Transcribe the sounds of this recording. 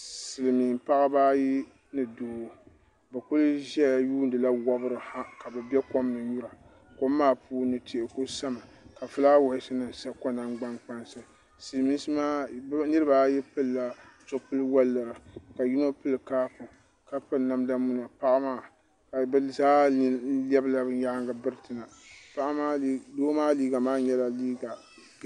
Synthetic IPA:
sɨ˨lɨ˨mi˨m˨pa˦ʔa˦baː˦ji˦ | nɨ˨doː˨˦˨ | bɨ˨kʊ˦lʒɛ˦˨juː˦n˦dɨ˨la˦wa˦bɨ˦ɾɨ˨ha˦ka˨bɨ˨bɛ˦ko˦mnɨ˨ju˦ɾa˨ | ko˦mːaː˦pʰuː˦nɨ˨tʰi˨ʔɪ˨ko˦sa˦ma˨ | ka˨fɨ˦la˦wa˨˦sɨ˦nɨ˨n˨sa˦ko˦na˨ŋɡ͡ba˦ŋk͡pa˦nsɨ˦ | si˨mi˦sma˦nɨ˦ɾɨ˦ba˦jɛ˦pɨ˦lːa˦z̥ʊ˦˨˦pɨ˦lɨ˦wa˦lːɨ˨ɾa˨ka˨ji˦no˦pɨ˦lɨ˨kaː˦pʊ˨ | ka˨pɨ˦lna˦mda˦mu˦na˨pa˦ʔa˦maː˦˨ | ka˨bɨ˦zaː˦lɛ˦bɨ˦la˦bɨ˨˦ja˦ŋɡa˨bɨ˦ɾɨ˨tɨ˨na˨pa˦ʔa˦a˦doː˦maː˦liː˦ɡa˨maː˦ɲɛ˦la˨liː˦ɡa˨

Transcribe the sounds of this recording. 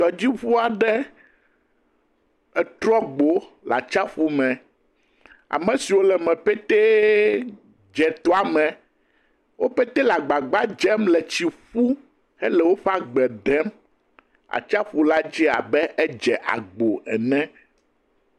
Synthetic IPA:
t̪ɔ˨d͡ʑi˦ɸu˦a˨ɖɛ˦ | ɛ˨t̪ɾɔ˦ɡ͡bo˨la̰˨t͡ʃa˦ɸu˦mɛ̃˨ | a̰˨mɛ̃˨si˨wo˦lɛ˨mɛ̃˨pɛ˦t̪ɛ˦ | d͡ʒɛ˨t̪ɔ˦a˨mɛ̃˨ | wo˦pɛ˦t̪ɛ˦la˨ɡ͡ba˨ɡ͡ba˦d͡ʒɛ˦mlɛ˨t͡ɕi˨ɸu˦ | ɛ˦lɛ˨wo˦ɸa˦ɡ͡bɛ˨d̪ɛ˦m | a̰˨t͡ʃa˦ɸu˦la˦d͡ʑi˦a̰˨bɛ˦ʔɛ˦d͡ʒɛ˨ʔa̰˨ɡ͡bo˨ɛ˨nɛ̃˦

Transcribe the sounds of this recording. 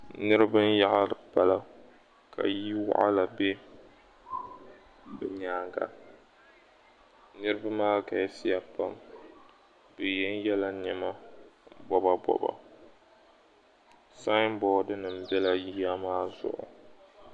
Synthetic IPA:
nɨ˦ɾɨ˦bɨ˦n˦ja˦ʔa˦dɨ˨pa˨la˦ | kʰa̰˨ji˦wa̰˦ʔa˦la˨be˦ | bɨ˨ɲaː˦ŋɡa̰˨ | nɨ˦ɾɨ˦ba˦maː˦ka˨ɛ˦si˦a˨pa˦m | bɨ˨jɛ˦n˦jɛ˦la˦ɲɛ˦ma˦bɔ˦ba˦bɔ̰˨ba̰˨ | sa˦m˦bɔː˦dɨ˦nɨ˨m̩˦bɛ˦la˨ji˦a˦maː˦zʊ̰˨ʔʊ̰˨

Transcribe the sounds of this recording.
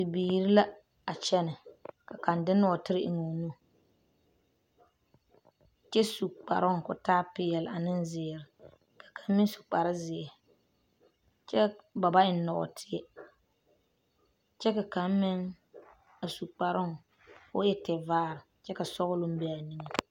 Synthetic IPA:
tɪ˨biː˨ɾi˦la˦ | a˨t͡ʃɛ˦nɪ˨ka˨ka˨ndɪ˦nɔ˦ɔ˨tɪ˦ɾɪ˦ʔɪ˨ŋo˨nu˦˨ | t͡ʃɛ˦su˨k͡pa̰˨ɾʊ˦ŋ˨kʊ˨taː˦pɪ˦jɛ˨la˨nɪ˦n˦zɪ˨ɾɪ˨ | kʰḁ˨kʰa˨m˦mɪ˦ŋ˦su̥˨k͡pa˨ɾɪ˦zɪ˨ɛ˨ | t͡ʃɛ˦ba˨ba˦ɪ˨n˦nːɔ˨ɔ̰˨tʰɪ˦ɛ˦ | t͡ʃɛ˦ka˨ka˨˦m˦mɪ˦ŋ | a˨su˨k͡pa˨ɾʊ˦ŋ˨ | fʊ̰˦jɛ˦tɛ˨vaː˦ɾɪ˨ | t͡ʃɛ˦ka˨sɔ˦ɣʊ˦lʊ˦m̩˦bɛ˦a˨ni˦ŋe˨

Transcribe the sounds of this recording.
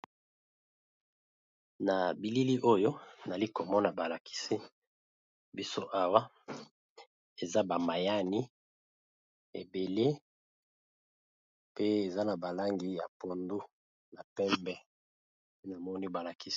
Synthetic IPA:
na˨bi˨li˦li˦ʔo˦jo˦˨na˨li˦ko˨mɔ˦na˨ba˨la˨ki̥˦si˦ | bi˦so˦ʔa˦wa˦ | e˨za˦ba˨ma˨ja˦ni˦ | ḛ˨be˨le˦ | pe˦e˨za˦na˨ba˨la˦ŋɡi˨ja̰˨po˨ndu˦ | na˨pɛ˦mbɛ˦ | pe˦na˨mɔ˦ni˦ba˨la˨ki˦s

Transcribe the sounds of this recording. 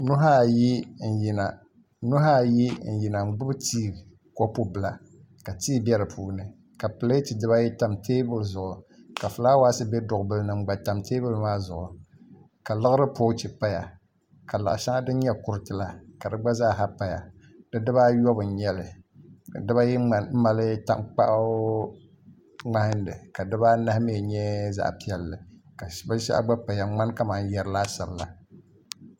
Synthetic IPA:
nʊ˦ɦa˦˨ji˦n̩˨ji˨na˨ | nʊ˦ɦa˦˨ji˦n̩˨ji˨na˨ŋ͡m̩˦ɡ͡bʊ˦btiː˦˨ | ko˦po˦bɨ˨la˨ | ka˨tiː˦bɛ˦ɾɨ˨pʰuː˦nɨ˨ | ka˨pɨ˨le˦ti˨dɨ˦ba˦jɛ˦ta˨mteː˦bʊ˦lzʊ˨ʔʊ˨ka˨fɨ˨laː˦waː˦sɨ˦bɛ˦dʊ˨ʊ˨bɨ˦lnɨ˨ŋ͡m̩˦˨ɡ͡ba˨ta˨mteː˦bʊ˦lmaː˦zʊ˨ʔʊ˨ | ka˨lɨ˦ɣɨ˦ɾɨ˦po˦t͡ʃi˨pa˦ja̰˨ | ka˨la˨ʔʃa˦ŋa˦dɨ˦ɲɛ˦kʊ˨ɾɨ˦tɨ˦la˦ka˨dɨ˦ɡ͡ba˦zaː˦˨ɦa˦pa˦ja̰˨ | dɨ˦dɨ˦βa˦jɔ˦bɨ˨ɲɛ˦lɨ˨ | dɨ˦ba˦jɛ˦a˨nm̩˦ma˦lɨ˦ta̰˦ŋk͡pa̰˦ʔ | ŋ͡ma˦hɪ˦n˦dɨ˨ka˨dɨ˦ba˦na˦hme˦˨ɲɛ˦za̰˨ʔpi˦ɛ˦lːɨ˨ka˨˦ba˦ʃa̰˦a̰˦ɡ͡ba˦pa˨ja˨ŋ͡ma˦nka˦maː˨˦n˦jɛ˨ɾɨ˨la˦ʃa˨bɨ˨la̰˨

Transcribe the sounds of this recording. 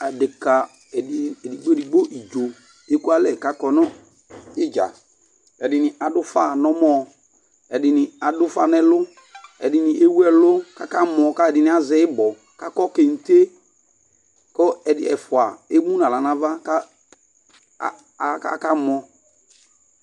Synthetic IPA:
a˨dɪ˨ka˨ | ɛ˨dɪ˨ɛ˨di˨ɡ͡bo˦ɛ˨di˨ɡ͡bo˦ʔi˨d͡ʒo˨ | e˦ku˦a˦lɛ˨ka˨kɔ˨nɔ˦ | ɪ˦d͡ʒa̰˨ | ɛ˨dɪ˨nɪ˨a˨dʊ˦fa˦˨nɔ˦mɔ˦ | ɛ˨dɪ˨nɪ˨a˨dʊ˦fa˦nɛ˦lʊ˦ | ɛ̰˨dɪ˨nɪ˨ʔe˦wu˦ɛ˦˨lʊ˦ka˦ka˦mɔ˨ka˦ɛ˨dɪ˨nɪ̃˨˦a˨˦zɛ˨ɪ˦bɔ˨ | ka˦kɔ˦ke˨n̩˨te˦ | kɔ˦ɛ˨dɪ̰˨ɛ̰˨fʊ˨a˨e˦mũ˦nã˨la˨nã˨va˦ka˦ | ka̰˨ka˦mɔ˨

